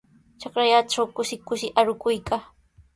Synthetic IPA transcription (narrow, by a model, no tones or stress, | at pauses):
t͡ʃɑkɾajaʈ͡ʂawkʊʃɪkʊʃɪʔaɾʊkʊjkaː